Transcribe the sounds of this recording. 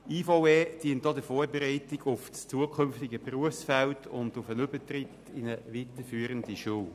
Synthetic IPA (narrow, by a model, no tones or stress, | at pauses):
iːfowed̥iəntdɔdəfoːɾbɛɾɛɪtɪɡʊfst͡suəkʰʏmftɪɡəpruəfsfæltʰʊndʊfənʏbətrɪt | ɪnəʋitəfyːəɾəndiʃuw